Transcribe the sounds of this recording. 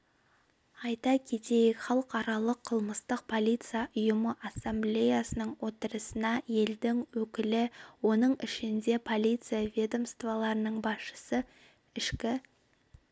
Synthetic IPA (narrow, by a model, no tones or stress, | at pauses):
ɑjt̪ɑkʲʰe̞t̪e̞jɪkʲχɑlˠəqɑɾɑlˠəqʰːəlˠməst̪əq̚pʰo̞lʲˠijt̪sɨijaʔʊjʊməʔasːemblʲe̞jasənəɴwo̞t̪əɾəsənɑje̞ld̪ɪŋwɵkʲɪlɪwo̞nəɴɪʃɪnd̪e̞pʰo̞lʲˠijt̪sɨjavʲe̞d̪o̞mst̪vɑlˠɑɾənəɴbɑsʃə̥sə | ɪʃkʲɪ